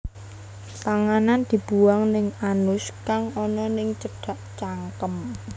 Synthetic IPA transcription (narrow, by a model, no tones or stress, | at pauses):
t̪aŋanand̪̥i̤b̥ṳwaŋnɪŋanʊskaŋɔnɔnɪŋt͡ʃəɖ̥a̤ʔt͡ʃaŋkəm